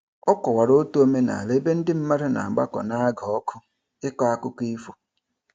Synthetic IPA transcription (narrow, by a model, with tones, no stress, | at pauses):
ɔ˦kɔ˨wa˨ɾo˦tu˦o˦me˦na̰˨le˦be˦n̩˦dɪ˦m̩˦ma˦ɾɪ˦na̰˨ɡ͡ba̰˦kɔ̰˨na˦a˦ɡa˨ɔ˦kʰʊ˦ | ɪ˦kɔ˦a˦kʊ˦ki˦fo̥˨